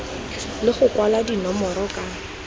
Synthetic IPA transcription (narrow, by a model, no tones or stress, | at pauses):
lɪχʊkwaladinɔmɔɾɔkʼa